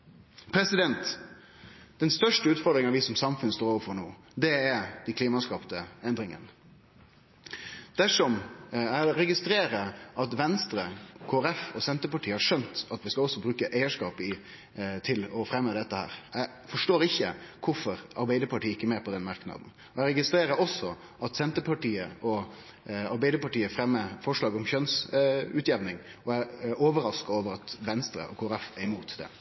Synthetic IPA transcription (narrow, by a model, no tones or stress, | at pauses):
pʰɾɛsɪd̪ɛnt̪ | d̪̥ɛnst̪œʂʈəʉːt̪fɔɾd̪ɾɪŋɑʋɪsɔmsɑmfʉnəst̪oːɾoːʋəɾfɔɾɳoː | d̪ɛɛd̪ɛkʰliːmɑskɑːpt̪əɛnd̪ɾɪŋə̰n | d̪̥æʂɔmæɾɖ̪ɛɾɛɡɪst̪ɾeːɾəɑt̪ʋɛnst̪ɾəkʰoːɾɛfɔsɛnt̪əpɑʈʰiːəhɑɾʂœnt̪ɑt̪ʋɪskɑɔsːɔbɾʉːkəʔæɪəʂkɑːpɪ | t̪ʰɪlɔfɾɛmːəd̪ɛt̪ːəhæ̰ːɾæɪ | fɔʂʈoːɾɪçːəkʰʊɾfɔɾɑ̰ɾbæɪd̪əɾpɑʈiːəɪkːəmeːɾpʰɔd̪ɛnmɑɾknɑ̰d̪n̩ | ɔæɪɾɛɡɪst̪ɾeːɾəɾɔsːɔ | ʔɑt̪sɛnt̪əpʰɑʈiːəɔ | ɑɾbæɪd̪əɾpɑʈiːəfɾɛmːəfɔʂɭɑːɡɔmçœnsʉːt̪jɛʋnɪŋ | ɔæoːʋəɾɑskəɑɾoːʋəɾɑt̪ʋɛnst̪ɾə̰ʔɔkʰoːɾɛfæɾɪmuːt̪d̪ɛ̰